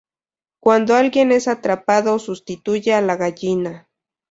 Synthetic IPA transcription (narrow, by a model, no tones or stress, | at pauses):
kwand̪oalɡjene̞sat̪ɾapaðosʊst̪it̪ujaalaɣaʎɪna